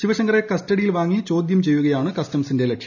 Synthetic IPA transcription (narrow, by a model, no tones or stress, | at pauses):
ɕiʋɐɕɐŋɡɐre̞kɐstɐɽijilʋaːŋːit͡ɕo̞ːd̪jɐmt͡ɕe̞jːuɣɐjaːɳɨkɐstɐmsinde̞lekʂɐ̥